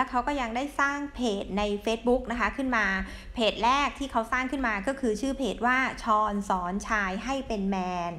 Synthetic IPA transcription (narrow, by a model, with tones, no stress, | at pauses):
lɛ˦˥kʰa˦˥wkɔː˥˩ja˧ŋdaː˥˩jsaː˥˩ŋpʰeː˨˩t̪̚na˧jfeː˦˥t̪̚bu˦˥k̚na˦˥kʰa˦˥kʰɯ˥˩nmaː˧ | pʰeː˨˩t̪̚ɾɛː˥˩k̚t̪ʰiː˥˩kʰa˦˥wsaː˥˩ŋkʰɯ˥˩nmaː˧kɔː˥˩kʰɯː˧t͡ɕʰɯː˥˩pʰeː˨˩t̪̚waː˥˩t͡ɕʰɔː˧nsɔː˩˦nt͡ɕʰaː˧jɦa˥˩jpe˧nmɛː˧n